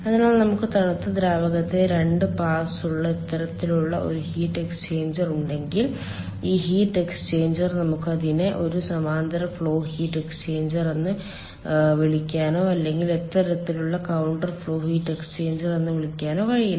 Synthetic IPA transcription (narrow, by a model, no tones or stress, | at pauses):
ɐðinaːlnɐmukːɨt̪ɐɳɐt̪ːɨd̪ɾaːbɐɣɐt̪ːe̞ɾe̞ɳɖɨpaːsuɭːɐet̪ːɐɾɐt̪ːiluɭːɐʔo̞̰ɾuhiːʈːe̞kst͡ɕe̞ːɲd͡ʑɐruɳɖe̞ŋɡil | iːhiːʈːe̞kst͡ɕe̞ːɲd͡ʑɐrnɐmukːɨɐðineʔo̞ɾusɐmaːnd̪ɐɾɐfɭo̞ːhiːʈːe̞kst͡ɕe̞ːɲd͡ʑɐre̞nːɨ | ʋiɭikʲːaːno̞ːɐlːe̞ŋɡilet̪ːɐɾɐt̪ːiluɭːɐkɐwɳʈɐrfɭo̞ːhiːʈːe̞kst͡ɕe̞ːɲd͡ʑɐrenːɨʋiɭikʲːaːno̞ːʋɐɻiji